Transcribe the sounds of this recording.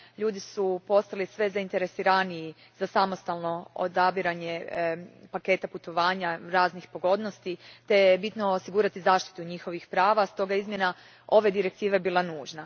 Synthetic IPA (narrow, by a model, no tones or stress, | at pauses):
ʎuːd̪isupo̞st̪alisʋe̞zaint̪e̞ɾe̞siɾaniji | z̥asamo̞st̪alno̞o̰d̪abiɾaɲe̞ | pake̞ːt̪aput̪o̞ʋaːɲaɾaːznixpo̞ɡo̞d̪no̞st̪it̪e̞jebit̪no̞osiɡuːɾat̪izaːʃt̪i̥t̪uɲixo̞ʋixpɾaːʋast̪o̞ɡajeizmje̞na | o̞ʋe̞d̪iɾe̞k̚t̪iːʋeebilˠanuːʒna